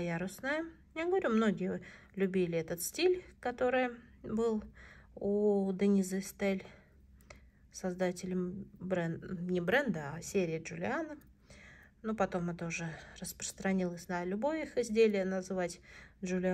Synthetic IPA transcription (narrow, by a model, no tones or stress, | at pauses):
jaɾʊsnɨjə | jʲɪɡəvɐɾʲumno̞ɡʲɪjə | lʲʉbʲilʲɪɛt̪ət̪sʲtʲilʲkɐt̪o̞ɾɨjə | bɨlˠud̪ənʲɪzɨst̪elʲ | sɐzd̪atʲɪlʲɪmbɛnʲɪbɾɛnd̪əasʲeɾʲɪːʐʊlʲɪanə | nopɐt̪o̞mɛt̪əʊʐɨrəspɾə̥st̪ɾɐnʲilˠəsʲnəlʲʊbo̞jixɪzʲdʲelʲɪjənəzɨvatʲʐʊlʲɪ